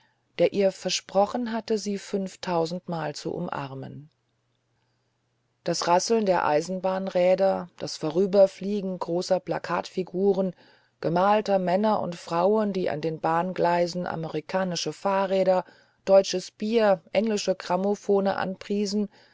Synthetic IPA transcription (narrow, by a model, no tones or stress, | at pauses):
d̥eːɐʔiːɐfɛɐʃpʁ̥ɔχn̩ɦatəziːfʏnftʰaʊzn̩tmaːlt͡sṵʔʊ̰mʔa̰ʁmə̰n | d̥asʁasl̩ndeːɐʔa̰ɪzn̩baːnʁɛːdɐd̥asfoʁ̞yːbɐfliːɡŋ̩ɡʁoːsɐplakʰaːtfiɡuːʁən | ɡ̥əmaːltɐmɛnɐʔʊ̰ntfʁ̥aʊəndiːʔa̰ndeːnbaːnɡlaɪzn̩ʔa̰məʁikʰaːnɪʃəfaːɐʁɛːɾɐ | d̥ɔʏt͡ʃəsb̥iːɐʔɛŋlɪʃəɡʁ̥amofoːnə̰ʔa̰npʁ̥iːzn̩